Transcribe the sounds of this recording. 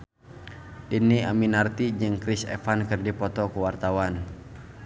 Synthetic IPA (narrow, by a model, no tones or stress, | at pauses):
dinːiaminart̪iɲd͡ʒɨŋkɾisɛ̰fankɨrdipɔt̪ɔkuwart̪awan